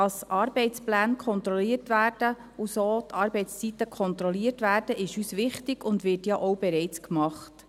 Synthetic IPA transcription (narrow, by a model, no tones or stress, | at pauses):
ɑsʔɑːɾbɛɪt͡splæːnkʰɔnt̪ɾɔliːərtʋæːrd̥ə | usoːt̪ʰɑːɾbɛɪt͡sst͡sit̪ːəkʰɔnt̪ɾɔliːərtʋæːɾd̥əʔɪʃyːsʋɪχtɪɡ̥ʊndʋɪrtjɑʔɔwb̥ɛɾɛɪt͡skmɑχt